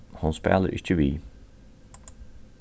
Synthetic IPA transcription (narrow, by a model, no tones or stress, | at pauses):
hʊnspæ̰ːləɾʔɪ̰çəʋiː